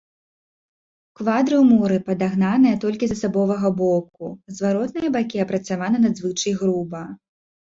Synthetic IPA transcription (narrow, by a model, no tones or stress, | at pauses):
kvad̪ɾɨwmuɾɨpɐd̪aɣnanɨjɛt̪ɔlʲkʲizɐsabɔvɐɣɐbɔp̚kuzvaɾɔt̪nɨjɐbakʲiɐpɾɐt̪savanɐnɐd̪zvɨt͡ʂɨjɣɾubɐ